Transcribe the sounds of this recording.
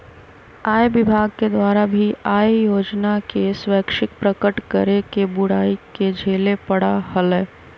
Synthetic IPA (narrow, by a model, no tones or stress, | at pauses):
aːjbɪbʱaːɡ̚ked̪ʋaːɾabʱiaːjjoːd͡ʒnakeswɛːkʃɪk̚pɾəkəʈkəɾekebʊɽaːiked͡ʒʱeːlepɐɽahəlɛː